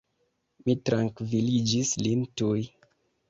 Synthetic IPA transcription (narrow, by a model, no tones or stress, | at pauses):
mitɾaŋkvilid͡ʒislintuj